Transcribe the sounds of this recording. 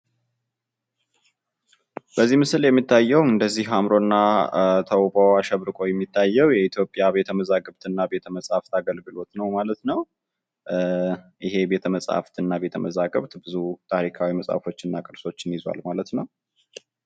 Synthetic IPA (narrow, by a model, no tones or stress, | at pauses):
b̥əzːimɨsɨljɛmːit̪ʰːajːɛwɨnd̪əzːihamɾo̞nːat̪ʰəwboaʃəβɾɨkʼo̞jɛmːit̪ʰːajːɛwjɛit̪ʰjo̞pʼjaβe̞t̪ʰəməzaɡəβt̪ʰɨnːabe̞t̪ʰəməsʼaft̪ʰaɡəlɡɨlo̞t̪nəwmalət̪nəw | ʔɪɦe̞be̞t̪ʰəməsʼa̰ft̪ʰɨnːaβe̞t̪ʰəməzaɡəβt̪bɨzut̪ʰaɾikʰawiməsʼa̰fo̞t͡ʃːɨnːakʼɨɾso̞t͡ʃːɪnjɪzwa̰lmalət̪nəw